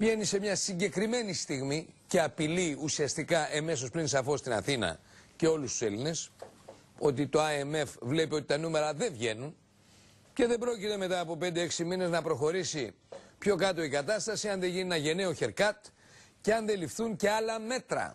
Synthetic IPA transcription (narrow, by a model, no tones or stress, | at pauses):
pʝe̞nise̞mɲɐsiɲɟe̞kɾime̞nist̪iɣmice̞ɐpiliusiɐst̪ikɐʔeme̞so̞spɾinsɐfo̞st̪inɐ̰θinɐ̰ce̞o̞lust̪u̥seline̞s | o̞t̪̬it̪o̞ɐeme̞fvle̞pio̞t̪i̥t̪ɐnume̞ɾɐðe̞vʝe̞nun | ce̞ðebɾo̞cit̪e̞me̞t̪ɐːpo̞pend̪eeksimine̞znɐpɾo̞xo̞ɾisi | pço̞kɐt̪o̞ikɐt̪ɐst̪ɐsiɐnðe̞ʝininɐʝe̞ne̞oçe̞ɾkɐt̪ | ceɐnðe̞lifθunce̞ɐlɐme̞t̪ɾɐ̰